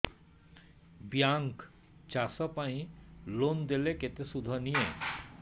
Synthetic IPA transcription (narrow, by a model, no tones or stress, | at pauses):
bjaŋk | t͡ɕasɔpaĩlond̪eleket̪esud̪ʱɔnije